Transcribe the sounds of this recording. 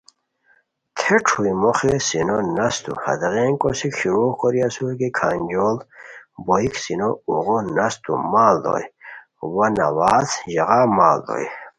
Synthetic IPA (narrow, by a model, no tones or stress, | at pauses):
t̪ʰeʈ͡ʂʰujmoχesinonɐst̪ṵhɐ̰d̪ʁeːnkosikɕiɾukɔɾiasuɾkikʰand͡ʑolboiksinouʁonɐst̪ṵmaːld̪o̰j | wɐnɐwaːzʑɐʁamaːld̪o̰j